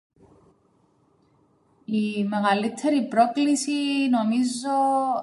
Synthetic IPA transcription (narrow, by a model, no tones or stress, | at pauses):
ime̞ɣɐlit̪ʰːe̞ɾipɾo̞klisino̞mizo